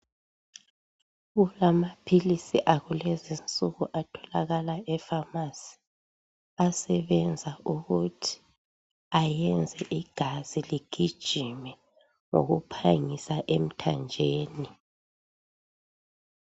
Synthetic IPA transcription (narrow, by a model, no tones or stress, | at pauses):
ɣulamapʰilisiʔaɣulɛzint͡sʼuɣuʔatʰɔlaɣalaɛfamasi̥ | asɛβɛnd͡zʱaʔuɣutʰi̥ | ajɛnd͡zʱɛʔiɡ̥ʱaz̥iliɡ̥ʱid̥ʒ̥ʱimɛ | ŋo̰ɣupʰaŋisaʔem̩tʰand͡ʒʱeːni